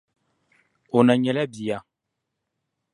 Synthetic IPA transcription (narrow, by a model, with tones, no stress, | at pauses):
o˨na˨ɲɛ˨lɛ˦bi˨ja˨